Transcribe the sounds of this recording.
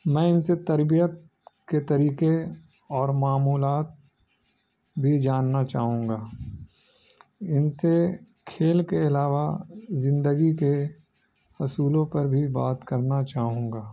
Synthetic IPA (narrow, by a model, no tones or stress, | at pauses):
mɛ̃ːɪnset̪ɐɾbijət̪̚ | ket̪ɐɾiːke | ɔːɾmaːmuːlaːt̪̚ | bʱid͡ʒaːnːat͡ʃaːɦũːŋɡaː | ɪnse | kʰeːlkeɪlaːʋazɪ̃nd̪əɡike | hʊsuːlõpɐɾbʱibaːt̪kɐɾnat͡ʃaːɦũːŋɡaː